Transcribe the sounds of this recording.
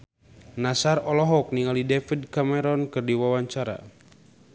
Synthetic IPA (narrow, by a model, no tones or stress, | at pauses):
nasarɔlɔɦɔk̚niŋalidɛfidkamɛɾɔnkɨrdiwawaɲt͡ʃaɾa̰